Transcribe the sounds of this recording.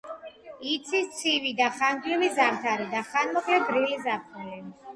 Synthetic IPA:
it̪sʰist̪sʰivid̪aχaŋɡlivizaɾt̪ʰaɾid̪aχanmɔkʰʼlɛbɾilizaptʰuli

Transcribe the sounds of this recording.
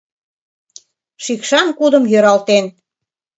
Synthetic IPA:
ʃikʃɑnkud̪ə̆mjøɾɑlt̪en

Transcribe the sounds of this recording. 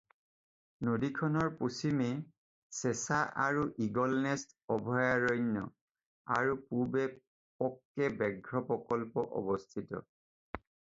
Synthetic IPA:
nodikʰɔnɔɹpusime | sesaʔaɹuʔiɡɔlnɛst | ɔbʱɔjaɹɔjnjɔ̰ | a̰ɹupubɛ | pɔkːɛbɛɡʱɹɔpɔkɔlpɔʔɔ̰bɔstʰitɔ̰

